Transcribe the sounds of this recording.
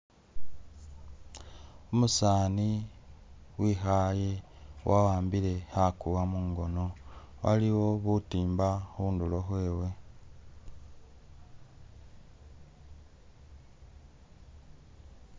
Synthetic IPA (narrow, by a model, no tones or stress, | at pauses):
umusaːni | wiːxaje | wʔawaːmbile̞hakuwamuːŋɡo̞no̞ | wa̰liwo̞βutiːmbaxuːndulo̞xwe̞ːwe̞